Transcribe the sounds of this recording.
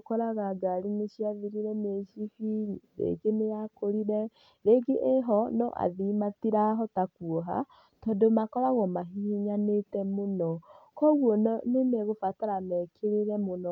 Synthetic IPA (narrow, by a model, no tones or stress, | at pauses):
kɔɾaɣaɡaɾineʃiaviɾiɾɛmeʃifiɲiɾḛɡenejakoɾiɾɛ | ɾeɡeʔeɦɔnɔ̰ʔa̰ðimatiɾaɦɔtakuoɦa̰ | tɔdomakɔɾaɣɔmaɦiiɲanetɛmonɔkɔɣwɔnnenɛɣofataɾamɛkʰeɾeɾɛmonɔ